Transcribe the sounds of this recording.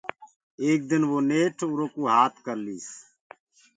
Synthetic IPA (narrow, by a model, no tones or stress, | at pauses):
eːk̚d̪ɪnʋoːneːʈʰʊɾoːkuːɦaːt̪ʰkəɾliːs